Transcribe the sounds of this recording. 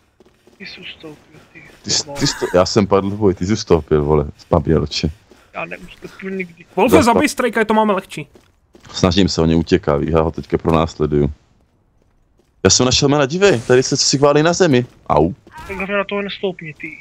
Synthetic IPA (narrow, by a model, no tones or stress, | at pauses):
t̪ɪsust̪owpɪlt̪ɪt̪ɪst̪ɪst̪ojaːsɛmpadlvojt̪ɪzust̪owpɪlvolɛ̰spabɛ̰lt͡ʃɛ | jaːnɛust̪owpɪlɲɪɡdɪvolɛzabɪjst̪ɾajkait̪omaːmɛlɛxt͡ʃiː | snaʒɪmsɛoɲɛuːcɛkavḭːmjaːɦot̪ɛckapɾonaːslɛduju | jaːsɛmnaʃɛlmaːnaɟɪvɛjt̪adɪsɛt͡sosɪxvaːlinazɛmɪ | ʔa̰w | t̪aɡlavɲɛnat̪oɦnɛst̪owpɲɛt̪i